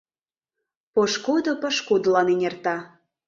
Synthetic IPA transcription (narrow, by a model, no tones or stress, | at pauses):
poʃkod̪opə̆ʃkod̪əlɑnenʲert̪ɑ